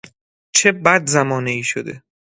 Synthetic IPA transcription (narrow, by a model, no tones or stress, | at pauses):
t͡ʃʰe̞bæd̪zæmɒːneiːʃod̪e̞